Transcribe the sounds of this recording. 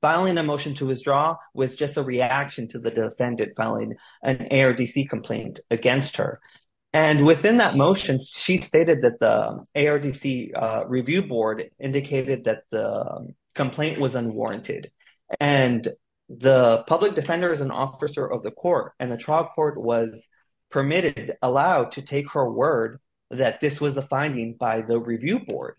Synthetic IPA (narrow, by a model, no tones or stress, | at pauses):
faɪlˠɪ̃ŋɨmoʊʃɨ̃n̩tʰɨwɨθdɹɔwʌzd͡ʒʌstəɹiækʃɨ̃n̩tʰɨðɨdɨfɛ̃ndɨ̃d̥faɪlˠɪ̰̃ŋ | ʔɨ̃nḛɪɑɹdisikʰm̩pʰl̥ḛ̃ɪ̃ntɨɡɛ̃nst̚hə̰˞ | ɨ̃nwɪθɪ̃nðət̚moʊʃɨ̃nʃisteɪɾɨd̪̚ðɨt̪̚ðḭeɪɑɹdisiɹivjʉbɔɹɾɪ̃ndɨkʰeɪɾɨd̪̚ðɨt̪̚ðə̰ | kʰə̃m̩pʰl̥ẽɪ̃nʔwʌzə̃nwɔ̰ɹɨ̰̃ntʰɪ̰d | ʔɨ̃n | ðəpʰʌblɨk̚d̥ɨfɛ̃ndə˞ʌz̃n̩ʔɔ̰fɨsə˞ʔʌvðɨkʰɔɹtɨ̃nðɨtʰɹ̥aɪlˠkʰɔɹt̚wʌz̥ | pʰə˞mɪɾɪɾəlaʊtʰɨtʰeɪkhə˞wɜ˞d̪̚ | ðɨt̪̚ðɪswʌzðəfãɪ̃ndɪ̃ŋbaɪðəɹivjʉbɔ̰ɹd̥